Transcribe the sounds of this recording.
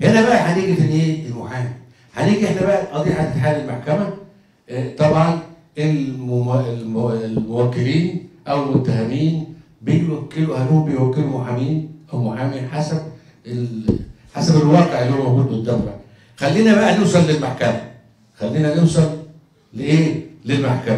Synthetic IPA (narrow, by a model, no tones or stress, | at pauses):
ʔenæbæʔæħaniːɡit̪æneːʔelmoħaːmi | ħæniːɡiʔeħnæbæʔæʔɑd̪ˤiːħat̪ːet̪ħaːlelmaħkæmæ | t̪ˤɑbʕɑn | ʔel | e | mowækːeliːnʔæwelmot̪ːæhæmiːn | bejwækːeluhælːuːhombejwækːelumoħamiːnʔæwmoħaːmiħasæb̚ | e | ħasæbelwɑːqeʕʔelːihomæwɡuːd̪bet̪d̪æfːḛʕ | xælːiːnæbæʔænewsˤɑlːelmaħkæmæ | xælːiːnænewsˤɑlː | eʔeːlelmaħkæmæ